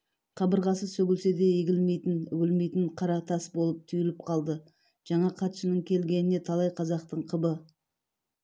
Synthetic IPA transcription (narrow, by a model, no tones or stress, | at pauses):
qʰɑbəɾʁɑsəsɵɡʲɪlse̞d̪e̞jeɡʲɪlme̞jt̪ɪnʏɡʲɪlme̞jt̪ɪɴqʰɑɾɑt̪ʰɑsbolˠəp̚t̪ʰʏjɪlɪp̚qʰɑlˠd̪ə | ʒ̥ɑɴɑqʰɑt̪ʃənəɴkʲʰe̞lɡʲe̞nɪne̞t̪ʰɑlˠɑjqʰɑzɑqt̪əɴqʰəbə